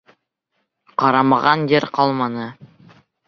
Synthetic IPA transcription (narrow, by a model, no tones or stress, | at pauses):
qɑɾɑmɑʁɑnjɘɾqɑlˠmɑnɤ